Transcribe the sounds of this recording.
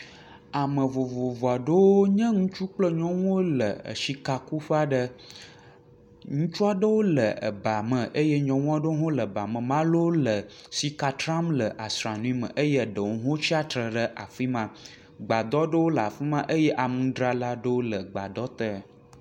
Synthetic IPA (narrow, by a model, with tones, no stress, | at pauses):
a˨mə̃˨vo˨vo˨vo˨a˨ɖə˦wo˦ɲɛ̃˦ŋũ˦t͡ʃu˦k͡plə˦ɲɔ̃˦w̃o˦lə˨ə̰˨ʃi˦ka˨ku˦ɸa˦ɖə˦ | ŋũ˦t͡ʃu˦a˦ɖə˦wo˦lə˨ə̰˨ba˨mə̃˨ʔə˦je˦ɲɔ̃˨ŋ̃˦a˦ɖə˦wo˦ɦõ˦lə˨ba˨mə̃˨mã˦lo˦lə˨si˦ka˦t̪ɾã˦mlə˨ʔa˨sɾa˨nũ˦i˦mə̰̃˨ʔə˦je˦˨ɖə˨wo˦ɦõ˦t͡ɕi˦a˦t̪ɾə˨ɖə˦ʔa̰˨fi˦mã˦ | ɡ͡ba˨d̪ɔ˦ɖə˦wo˦lə˨a̰˨fi˦mã˦ʔə˦jɛ˦ʔa˨mũ˦ɖɾa˦la˦ɖə˦wo˦lə˨ɡ͡ba˨d̪ɔ˦t̪ə˦˨